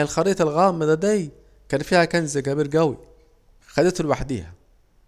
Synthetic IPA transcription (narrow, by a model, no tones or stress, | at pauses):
ælxɑɾiːt̪ˤɑlɣæːmːæd̪æd̪æj | kæːnfiːhækænzæɡæbiːɾɡæwḭ | xæd̪et̪lwaħd̪ḭːhæ